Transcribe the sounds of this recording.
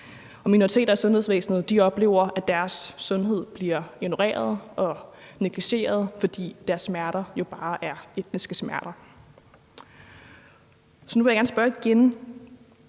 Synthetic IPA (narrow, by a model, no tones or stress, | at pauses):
ɒ̽minoʁit͡sʰe̝̰ːdɐæsɔ̽nhe̝sʋḛːsnð̞̩ˠd̥iɒ̽b̥le̝ːʊɐʔæd̥æɐsːɔ̽nɦe̝ð̞̰ˠb̥liɐeno̝ʁḛːɐð̞̩ˠɒ̽neɡ̥liɕe̝̰ːɐð̞̩ˠfɒ̽d̥ḭːd̥æɐsːmæɐɾɐjo̝b̥ɑ̈ːʔæɐe̝d̥nisɡ̥əsmæɐɾ̥ɐ | sɒ̽nuʋejɐɡæɐːnsb̥ɶɐiɡ̥en